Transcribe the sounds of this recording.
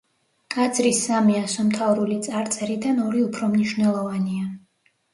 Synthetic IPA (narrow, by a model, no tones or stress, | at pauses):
kʼad̪zɾisːamiasɔmt̪ʰavɾulit̪sʼaɾt̪sʼɛɾid̪anɔɾiupʰɾɔmniʃvnɛlˠɔvania